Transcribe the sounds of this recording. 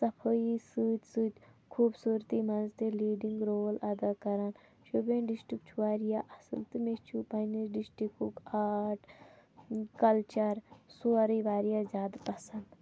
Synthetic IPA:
sɐpʰəisɨːt̪sɨt̪kʰuːbsuːɾt̪imɐnzt̪eliːɖiŋɡɾoːlad̪aːkɐɾan | ʃubenɖisʈik̚t͡ʃʰuʋaːɾijaːʔɐsə̰lt̪ɨmet͡ʃʰupɐniɖisʈikukaːʈ | kɐlt͡ʃɐɾsuːɾiʋaːɾijaːzʲaːd̪pɐsɐnd̪

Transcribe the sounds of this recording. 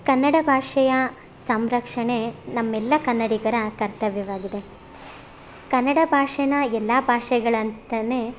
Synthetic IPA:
kɐnːɐɽɐbʱaːʂɐjɐ | sɐmɾɐkʂɐɳenɐmːɛlːɐkɐnːɐɽiɡɐɾɐkɐɾt̪ɐʋjɐʋaːɡid̪e̞ | kɐnːɐɽɐbʱaːʂɐnɐɛlːaːbʱaːʂɛɡɐɭɐnt̪ɐneː

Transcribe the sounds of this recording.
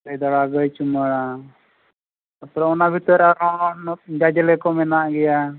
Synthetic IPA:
ləjd̪ɔɽaɡəjt͡ʃuməɽa | ɔsɾaɔnabʱit̪ɔɾaɾɔnd͡ʒad͡ʒɛlɛkɔmɛnaʔɡɛja

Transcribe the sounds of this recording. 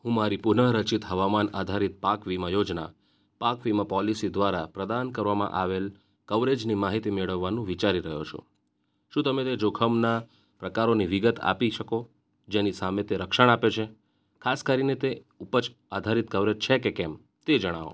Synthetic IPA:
ɦũmaɾipʊnəɾət͡ʃit̪ɦəʋamanad̪ʱaɾit̪̚pakʋimãjod͡ʒna̰ | pakʋimãpɔlisid̪ʋaɾapɾəd̪ankəɾʋamã̰ʔaʋel | kəʋɾed͡ʒnimaɦit̪imeɭəʋːanũʋit͡ʃaɾiɾəɦjo̰t͡ʃʰo̰ | ʃũt̪əmet̪ed͡ʒokʰəmna | pɾəkaɾoniʋiɡət̪a̰piʃəko | d͡ʒenisamet̪eɾəkʃəɳ̃apjot͡ʃʰe | kʰaskəɾinet̪e | upət͡ʃ | ad̪ʱaɾit̪kəʋɾed͡ʒt͡ʃʰekekɛm | t̪ed͡ʒəɽ̃aʋo̰

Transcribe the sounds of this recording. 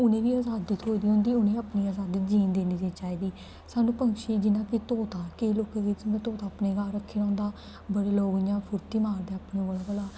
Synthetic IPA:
ʊnẽːʋiːaːzaːd̪iːt̪ʰoːid̪iːɦʊ̃nd̪iːʊnẽːəpniːaːzaːd̪iːd͡ʒiːnd̪eːniːdeːt͡ʃaːiːd̪iː | saːnũːpəŋkʃiːd͡ʒɪnãːkit̪oːt̪aːkeloːkãːɡɪt͡ʃːd̪at̪oːt̪aːəpneːɡaːɾəkʰːiːnãːʊ̃nd̪aː | bəɽeːloːʋjãːpʰʊɾt̪iːmaːɾd̪eːapneːʋəlaːbəlaː

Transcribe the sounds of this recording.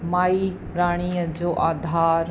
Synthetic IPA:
maːi | ɾaːɽ̃iːəd͡ʒoːʔaːd̪ʱaːɾ

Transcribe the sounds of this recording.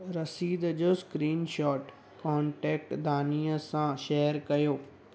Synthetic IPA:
ɾɐsiːd̪d͡ʑoːskɾiːnʃɔːʈ | kɔːɳʈɛːk̚ʈd̪ʱaːnijəsãʃeːəɾkɐjoː

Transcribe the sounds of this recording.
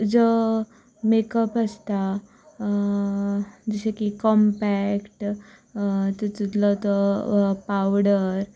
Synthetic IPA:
d͡zɔ | mekəpəst̪a | d͡zəɕekikɔmpækʈ | t̪ət̪ut̪lɔt̪ɔpawɽəɾ

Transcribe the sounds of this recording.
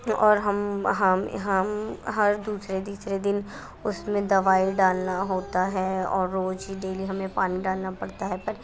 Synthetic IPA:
ɔːɾɦɐmɦɐmɦɐmɦɐɾd̪uːsɾed̪iːsɾed̪ɪn | ʊsmẽd̪ɐʋaːɪɖaːlnaɦoːt̪aɦɛɔ̰ːɾːoːd͡ʒiɖeːliɦɐmẽpaːniɖaːlnapɐɽt̪aɦɛpɐɾ

